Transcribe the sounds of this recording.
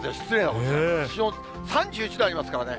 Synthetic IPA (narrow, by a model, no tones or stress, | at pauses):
eɕi̥t͡sɨɾẽːnat̪ɕio | sãɲ̟d͡ʑɨːit͡ɕid̪ajaɾʲimasɨ̥kaɾane̞